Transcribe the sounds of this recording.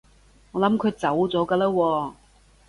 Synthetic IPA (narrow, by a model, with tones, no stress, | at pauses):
ŋɔː˨˧lɐ˨˥mkʰɵ˨˧ɥt͡sɐ˨˥wt͡sɔː˨˥kaː˧laː˥wɔː˧